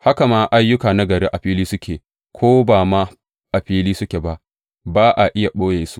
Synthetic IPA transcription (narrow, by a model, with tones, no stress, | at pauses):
ha˦ka˨maː˦ʔa˦jːʊ˦kaː˨na˦ɡɐ˨ɾeː˦ʔa˨ɸiː˦liː˦sʊ˦kʲeː˨ | kʷʰoː˦baː˨ma˦ | ʔa˨ɸiː˦liː˦sʊ˦kʲe˨ba˦ʔ | baː˦ʔa˨ʔɪ˦ja˨ɓoː˦jeː˨su̥˦